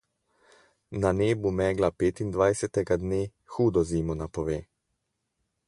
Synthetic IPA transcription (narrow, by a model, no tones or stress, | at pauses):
naneːbumɛːɡlapeːt̪ind̪ʋajsɛt̪ɛɡad̪neː | xuːd̪ɔziːmɔnapɔʋeː